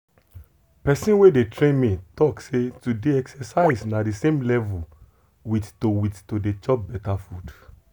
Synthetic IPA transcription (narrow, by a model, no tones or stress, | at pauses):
pɛsĩnwedetɾẽnmĩtɔksetudeɛksɛsaisnãdisẽmlɛvu | wittowittodet͡ʃɔp̚bɛtafud